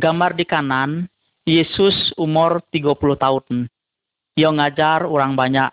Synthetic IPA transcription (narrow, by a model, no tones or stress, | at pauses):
ɡamardikanan | jesʊsumʊrt̪iɡapuluht̪aun | jɔŋad͡ʒaruɾaŋbaɲaʔ